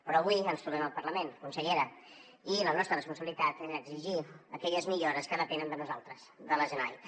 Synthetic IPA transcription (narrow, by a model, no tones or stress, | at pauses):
pɾɔːβuiənst̪uɾrnɛməlˠpərləmenkunsəʎeɾə | ilənɔst̪ɾərəspunsəβilit̪at̪eəːɡziʒiəkɛʎəzmiʎoɾəskəðəpɛnənd̪ənuzalˠt̪ɾəsðələʒəna̰jt̪